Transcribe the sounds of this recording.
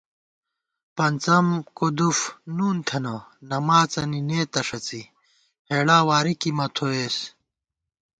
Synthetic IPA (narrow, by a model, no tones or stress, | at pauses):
pɐnt͡sɐmkod̪ufnuːnt̪ʰɐnɐnɐmaːt͡sɐnineːt̪ɐʂɐt͡si | heːɽaːwaːɾikimɐt̪ʰoeːs